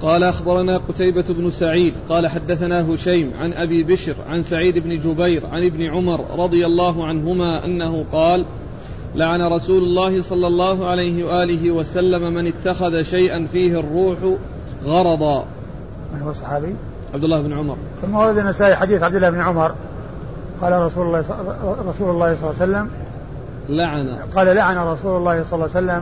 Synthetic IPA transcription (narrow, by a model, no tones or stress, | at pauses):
qɑːlaʔaxbɑɾˤɑnaːqʊt̪ajbabnʊsaʕiːd̪qɑːlaħad̪ːaθanaːɦʊʃajmʕa̰nʔabiːbɪʃɾʕa̰nsaʕiːd̪ɪbnɪd͡ʒʊbajɾʕa̰nɪbnɪʕʊmɑɾˤɾˤɑd̪ˤɨjalːɑːɦʊʕanɦʊmaːʔa̰nːahʊqɑːl | laʕanaɾˤɑsuːlʊlːɑːhɪsˤɑlːɑlːɑːɦʊʕalajɦɪwaʔaːlɪɦɪwasalːamamanɪt̪ːaxaðaʃajʔanfiːhɪrˤːuːħʊ | ɣɑɾˤɑd̪ˤɑː | manhʊwasˤɑħɑːbiː | ʕab̚d̪ɪlːaːhɪbnʕʊmɑ̰ɾˤθʊmːawɑɾˤɑd̪anːasaːʔiħad̪iːθʕabd̪ɪlːahɪbnʕʊmɑɾˤ | qɑːlaɾˤɑu | ɾˤɑsuːlʊlˤːɑːhsˤɑlːsalːam | laʕana̰qɑːlalaʕanaɾˤɑsuːlʊlːɑːhsˤɑlɑlːsalːam